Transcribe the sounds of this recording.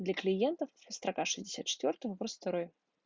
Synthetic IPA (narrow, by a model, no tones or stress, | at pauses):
d̪lʲɐklʲijɛnt̪ɐfɨst̪ɾakaʂɨzʲdʲd͡zʲɪsʲat̪̚t͡ʃɛ̥t̪ʲvʲɔrt̪ɨwvɾst̪ɐɾɔj